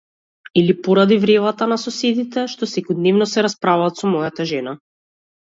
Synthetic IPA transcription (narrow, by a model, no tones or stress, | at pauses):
ilipɔɾad̪ivɾɛvat̪anasɔsɛd̪it̪ɛʃt̪ɔsɛkɔd̪nɛvnɔsɛɾaspɾavaat̪sɔmɔjat̪aʒɛna